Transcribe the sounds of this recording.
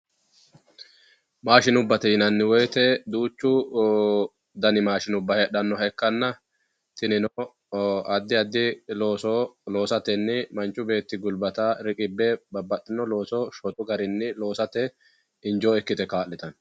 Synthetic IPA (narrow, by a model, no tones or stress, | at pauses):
maːʃɪnʊbːɐt̪ɛjɪnɐnːɪwɔjt̪ɛd̪uːt͡ʃːʊ | d̪ɐnɪmaːʃɪnʊbːɐhɛɗɐnːɔɦɛkːɐnːɐ | t̪ɪnɪno | ɐd̪ːɪɐd̪ːɪloːsolo̞ːsɐt̪ɛnːɪmɐnt͡ʃʼːʊbe̞ːt̪ːɪɡʊlbɐt̪aɾɪkʼɪbːɛbɐbːɐtːɪnɔlo̞ːsoʃɔt̪ʼʊɡɐɾɪnːɪlo̞ːsɐt̪ɛ | ɪnd͡ʒo̞ːɛkːɪt̪ɛkaːʔlːɪt̪ɐn